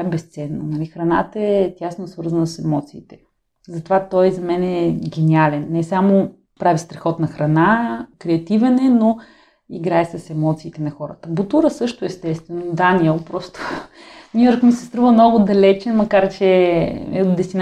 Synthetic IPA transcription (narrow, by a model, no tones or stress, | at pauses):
aɛbɛst̪sɛnːo̰nɐlixɾɐna̰t̪əɛt̪ʲjasnosvɤɾzənəsɛmɔt̪siːt̪ɛ̥ | zɐt̪ovat̪ɔjzɐmɛnɛːɡʲɛnialɛnːɛsamo | pɾavist̪ɾɛxɔt̪nɐxɾɐnakɾɛɐt̪ivɛnɛno | iɡɾaɛsɐsɛmɔt̪siːt̪ɛnɐxɔɾət̪əbot̪uɾəsɤʃt̪ʊɛst̪ɛst̪vɛnod̪aniɛlˠpɾɔst̪o̥nʲujɔɾkmisɛst̪ɾuvəmnɔɡʊd̪ɐlɛt͡ʃɛnmɐkaɾt͡ʃɛɛ̰od̪ɛst̪ʲin